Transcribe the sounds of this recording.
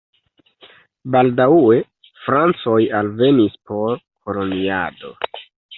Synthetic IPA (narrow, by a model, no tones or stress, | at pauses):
baldawe̞ | fɾant͡so̞jalve̞nispo̞ɾko̞lo̞nia̰do̞̰